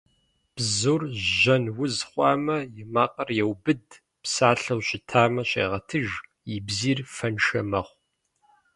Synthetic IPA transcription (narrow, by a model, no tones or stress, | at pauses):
b̥zurʒɐnwʊzχʷɑːmɐjɪmaːqʼɐrjɛwbɨd | psaːɬɐwɕʼɪtʰaːmɐɕʼḛːʁɐtʰɨʒ | jibziːrfɐnʃɐmɐχʷ